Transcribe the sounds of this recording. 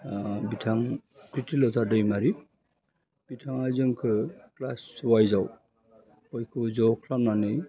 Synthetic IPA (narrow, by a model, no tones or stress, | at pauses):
bitʰaŋpɾitʰilɔtʰadɯjmaɾi | b̥itʰaŋajzɯŋkʰɯklasːuwajzaw | bɔjkʰɯzɔkʰlamnanɯj